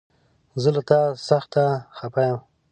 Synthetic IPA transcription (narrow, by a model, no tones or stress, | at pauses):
zəlat̪ɑsaxt̪axapajəm